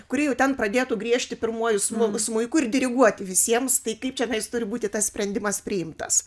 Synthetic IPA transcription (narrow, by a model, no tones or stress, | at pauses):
kʊɾʲɪjɛʊt̪ʲɛnprɐd̪ʲeːt̪uːɡɾʲiɛʃʲt̪ʲɪpʲɪrmuɔjʊsmʊsmʊɪkʊɪrd̪ʲɪɾʲɪɡuɔt̪ʲɪʋʲɪsʲiɛmst̪ɐɪkɐɪpt͡ʃʲɛnʲɐjst̪ʊɾʲɪbuːt̪ʲɪt̪ɐssʲpʲɾʲɛnʲd̪ʲɪmɐspʲɾʲɪɪmt̪ɐs